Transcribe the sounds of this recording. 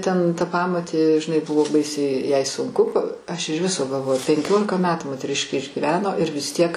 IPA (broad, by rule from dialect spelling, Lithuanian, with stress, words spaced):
tʲɛn tɐ ˈpɑːmoːtʲeː ʒʲɪˈnɐɪ ˈbʊʋoː ˈbɐɪsʲɛɪ jɛɪ sʊŋˈkʊ ˈɐʃ ɪʃ ˈʋʲɪsoː ɡɐlˠˈʋoːjʊ pʲɛŋʲˈkʲoːlʲɪkɐ ˈmʲæːtuː moːtʲɛˈrʲɪʃʲkʲeː ɪʒʲɡʲɪˈʋʲæːnoː ɪr ʋʲɪs ˈtʲiɛk